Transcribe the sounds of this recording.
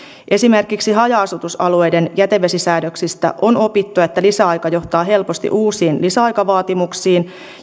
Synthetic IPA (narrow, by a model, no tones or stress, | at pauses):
ʔe̞sime̞rkiksiɦɑjɑɑsut̪usɑlue̞jde̞njæt̪eʋːe̞sisæːdøksist̪æ̰ʔo̞no̞pit̪ːuet̪ːælisæɑjkɑjo̞ht̪ɑːɦe̞lpo̞st̪ḭʔuːsiːnlisæɑjkɑʋɑːt̪imuksiːn